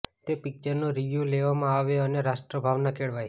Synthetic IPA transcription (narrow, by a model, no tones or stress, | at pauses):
t̪epɪk̚t͡ʃəɾnoɾiʋjuleʋamãaʋeəneɾaʃʈɾəbʱaʋnakʰeɭʋaj